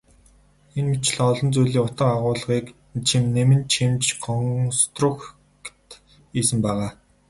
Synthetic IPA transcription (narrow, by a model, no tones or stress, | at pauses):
enmit͡ɕ̆ɮɔɮɞ̆nt͡sujɮiːŋʊt̪ə̆qaʁʊːɮʁiːk | t͡ɕʰemnemɘ̆nt͡ɕʰemt͡ɕɢɔŋst̪rʊx | kt̪ | iːsɘ̆mpæːʁaː